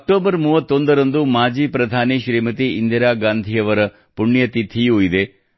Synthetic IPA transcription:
ɐɐk̚ʈoːbɐɾmuːʋɐt̪ːond̪ɐɾɐnd̪umaːd͡ʒiːpɾɐd̪ʱaːneʃɾiːmɐt̪iind̪iɾaːɡaːnd̪ʱiɐʋɐɾɐ | puɳːjɐt̪it̪ʰijuːid̪e

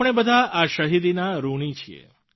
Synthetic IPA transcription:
ɳ̃ebəd̪ʱaʔaʃəɦid̪inaɾuɽ̃it͡ʃʰiḛ

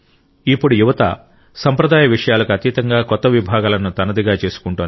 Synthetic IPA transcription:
ipːuɽujuʋɐt̪ɐ̰ | sɐmpɾɐd̪aːjɐʋiʂɐjaːlɐkuɐt̪iːt̪ɐŋɡaːkɔt̪ːɐʋibʱaːɡaːlɐnut̪ɐnɐd̪iɡaːt͡ʃe̞ːsu̥kuɳʈoːn

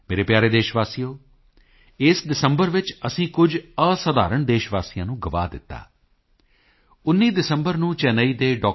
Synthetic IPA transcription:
meːɾeːpjaːɾeːd̪eːʃʋaːsijoː | ɪsɖɪsəmbəɾʋɪt͡ʃəsĩːkʊd͡ʒəsəd̪aːɾəɳd̪eːʃʋaːsiːjãːnũːɡəʋa̰ːd̪ɪ̰t̪ːa̰ː | ʊnːiːd̪ɪsəmbəɾnũːt͡ʃɛːnəiːd̪eːɖɔː

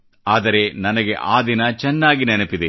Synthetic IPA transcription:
aːd̪ɐɾenɐnɐɡeʔaːd̪inɐt͡ʃɛnːaːɡinɛnepid̪e

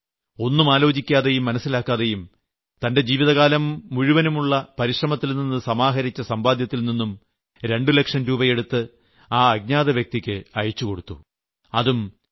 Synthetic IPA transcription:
o̞nːumaːlo̞ːd͡ʑikʲːaːðejumːɐnɐsːilaːkːaːðejum | t̪ɐnde̞d͡ʑiːʋiðɐɣaːlɐmuɻuʋɐnumuɭːɐpɐɾiʂrɐmɐt̪ːilninːɨsɐmaːɦɐɾit͡ɕːɐsɐmbaːd̪jɐt̪ːilninːum | ɾe̞ɳɖulekʂɐnɾuːbɐje̞ɽut̪ːɨ | aːɐɡ̚ɲaːðɐʋjɐk̚t̪ikʲːɨɐjit͡ɕːuko̞ɽut̪ːu | ɐðum

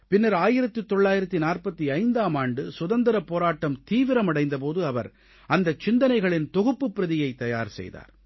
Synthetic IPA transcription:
pɪnːɐɾaːjɪɾɐt̪ːɯt̪ːɔɭːaːjɪɾɐt̪ːinaːrpɐt̪ːiɐɪnd̪aːmaːɳɖɯsʊðɐnd̪ɐɾɐpoːɾaːʈːɐmt̪iːʋɪɾɐmɐɽɐɪnd̪ɐpoːðɯɐʋɐ̰ɾ | ɐnd̪ɐt͡ʃːɪnd̪ɐnɐɪɣɐɭɪnt̪ɔɣɯpːɯpːɪɾɐðɪjɐɪt̪ːɐjaːɾsɛ̰jða̰ːɾ

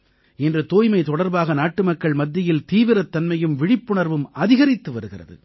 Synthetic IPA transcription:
ɪndrɯt̪oːjmɐɪt̪ɔɽɐɾbaːɣɐnaːʈːɯmɐkːɐɭmɐd̪ːɪjɪlt̪iːʋɪɾɐt̪ːɐnmɐjɯmʋɪɽɪpːɯɳɐɾʋɯmɐðɪɣɐɾɪt̪ːɯʋɐɾɯɣɪ̰rɐ̰ðɯ̰

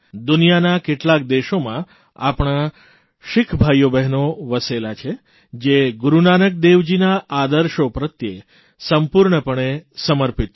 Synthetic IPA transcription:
d̪unijanakeʈlak̚d̪eʃomã | a̰pɳ̃a | ʃɪkʰbʱajobɛɦnoʋəselat͡ʃʰe | d͡ʒeɡuɾunanək̚d̪eʋd͡ʒinaːd̪əɾʃopɾət̪je | səmpuɾɳəpəɳesəməɾpit̪

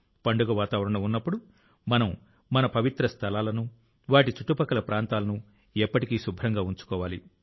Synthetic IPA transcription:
pɐɳɖuɡɐʋaːt̪aːʋɐɾɐɳɐunːɐpːuɽu | mɐnɐmː | ɐnɐpɐʋit̪ɾɐst̪ʰɐlaːlɐnu | ʋaːʈ̬it͡ʃuʈːupɐkɐlɐpɾaːnt̪aːlɐnu | epːɐʈikiːsubʱɾɐŋɡaːuɲt͡ʃu̥kɔːʋaːlḭ

